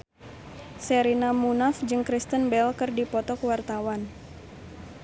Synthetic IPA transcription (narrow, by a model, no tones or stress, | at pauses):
sɛɾinamunafd͡ʒɨŋkɾist̪ənbɛlkɨrdipɔt̪ɔkəwart̪awan